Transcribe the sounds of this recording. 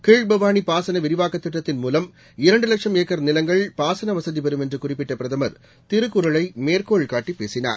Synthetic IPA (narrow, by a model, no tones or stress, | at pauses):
keːɻbɐʋaːɳipaːsɐnɐʋɪɾɪʋaːkːɐt̪ːɪʈːɐt̪ːɪnmuːlɐm | ɪɾɐɳɖɯlɐkʂɐmeːkːɐɾnɪlɐŋɡɐɭpaːsɐnɐʋɐsɐðiʋɐɾɯmɛndrɯkʊrɪpːɪʈːɐpɪɾɐðɐmɐɾ | t̪ɪrɯkːʊɾɐɭɐɪmeːrkoːɭkaːʈːipːeːsɪna̰ːɾ